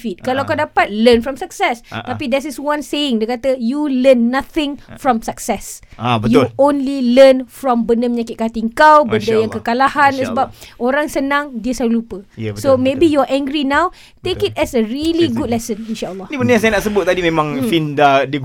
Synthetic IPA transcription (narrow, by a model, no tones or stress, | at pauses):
fit̪̚kalawkawdapat̪̚lənfɾɔmsak̚sɛst̪apidɛs̬iswãnseɪŋdiəkat̪əjulənːaθɪ̃ŋfɾɔ̃msaksɛsbəjuõnlilənfɾɔ̃mbəndəməɲakɪt̪̚kat̪iŋkawbəndəjãŋkəkalahansəbap̚oɾaŋsənãŋdiəsalulupəsomebijuaʔɛ̃ŋɡɾinãw | t̪ekit̪̚ɛsəɹiliɡud̚lɛsəninʃaəlˠːɔibəndəjãsajnaʔsəbʊt̪̚ːadimẽmãŋfindadəɡ